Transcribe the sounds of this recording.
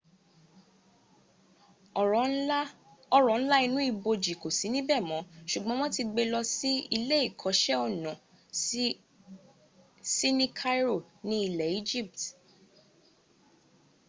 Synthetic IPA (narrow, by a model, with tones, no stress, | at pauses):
ɔ˧ɾɔ˨ñ̩˦la˦i˧nũ˦i˦˧˨bo˧d͡ʒi˨ko˨si˨˦nĩ˦bɛ˦˨mɔ̃˨˦ʃu˨ɡ͡bɔ̃˦m̃ɔ̃˦ti˧ɡ͡be˧lɔ˧si˦i˧le˦i˦˨kʰɔ˨˦ʃɛ˦ɔ˦˨nɔ̃˨ | si˦nĩ˦kʰa˦ɾo˦˨ | nĩ˦i˦˨lɛ˨i˦d͡ʒi˦˨p̚t